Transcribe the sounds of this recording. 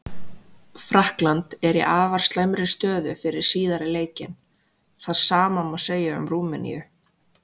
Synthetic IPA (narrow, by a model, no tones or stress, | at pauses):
fɾahklant̪ɛɾḭʔaːvaɾ̥st̪lajmɾɪst̪œːðʏfɪɾɪɾ̥siːðaɾɪleːjcɪn | θaðsaːmamawseːjaʏ̰mɾuːmʏnḭjʏ̰